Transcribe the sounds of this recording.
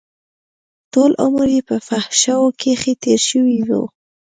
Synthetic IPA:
tolʔʊ̰məɾjepəfahʃawokʰexet̪eɾʃəwiwṵ

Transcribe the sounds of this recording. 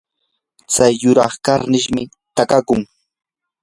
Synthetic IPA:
t͡sajːʊɾɑχkaɾnɪʃmɪ | t̪akakʊŋ

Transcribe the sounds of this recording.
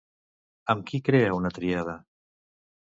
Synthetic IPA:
əmkikɾeəunət̪ɾiað̞ə

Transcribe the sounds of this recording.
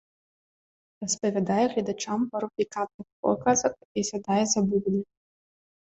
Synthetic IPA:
rɐspɐvʲad̪ajɛɣlʲɛd̪at͡ʂampɐɾupʲikat̪̚nɨxpɔ̰kazɐkisʲad̪ajɛzɐbubʲlʲɛ

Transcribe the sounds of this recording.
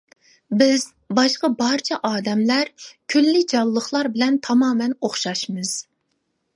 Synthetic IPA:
bɪz̥ | bɑʃqəbɑɾt͡ʃʰɛʔɑːd̪ɛmlæɾkʲʰylːɪd͡ʒɑlˠːəχlˠɑɾbɪlɛnt̪ʰɑmɑːmɛnoχʃɑʃmɨz̥

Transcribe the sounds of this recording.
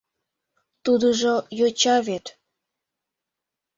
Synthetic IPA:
t̪ud̪əʒojot͡ɕɑβet̪

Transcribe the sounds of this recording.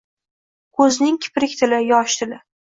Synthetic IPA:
kʰɵznɪŋkʲʰɪ̥pɾɪkʲt̪ʰɪlɪjɒʃt̪ʰɪlɪ

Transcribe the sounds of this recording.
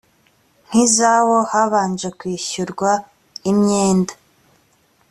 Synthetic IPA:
n̥hizawo̞haβaːnd͡ʒe̞kwiːçuɾɡwa | imɲeːndḁ

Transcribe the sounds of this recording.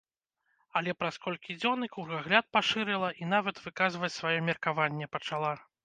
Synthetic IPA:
ɐlʲɛpɾaskɔlʲkʲid͡zʲɔnɨkurɣaɣlʲat̪̚paʂɨɾɨlˠɐʔinavɐt̪vɨkazvɐt͡sʲsvajɔmʲɛrkavanʲːɛpɐt͡ʂalˠa

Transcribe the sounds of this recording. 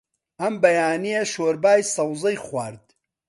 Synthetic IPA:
ʔɐmbɐjaːnijɐʃoːɾbaːjsɐwzɐjχwaːɾd̪

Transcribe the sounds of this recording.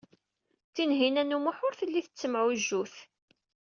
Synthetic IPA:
t͡sːinɦinænumʊħʊɾθəlːiθət͡sːəmʕuʒːuθ

